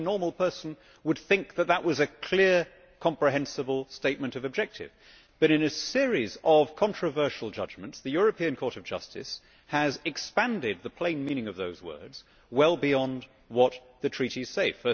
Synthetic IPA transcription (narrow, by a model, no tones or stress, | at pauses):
nɔɹml̩ˠpʰɜ˞sn̩ | wəd̪̥̚θɪ̃ŋk̚ðɨt̪̚ðəʔwʔʌzɨkʰl̥ɪɹ | kʰɑ̃mpɹ̥ɨɦɛ̃nsɨbəl̩ˠsteɪt̚mɨ̃ntʌvɨb̚d͡ʒɛk̚tʰɪ̰v̥ | b̥ʌɾɨ̃nɨsɪɹizʌv̥kʰɑ̃ntɹ̥ɨvɜ˞ʃl̩ˠd͡ʒʌd͡ʒmɨ̃ntsðɨjʊɹɨpʰiɨ̃nkʰɔɹɾʌvd͡ʒʌ̰stʰɨ̰s | hɨzɨkspæ̃ndɪd̪̚ðəpʰl̥ẽɪ̃nmĩñɪ̃ŋʌvðoʊzwɜ̰˞dz̥ | wɛlˠbiɑ̃nd | wʌt̪̚ | ðɨtʰɹ̥iɾiz̥seɪfɜ˞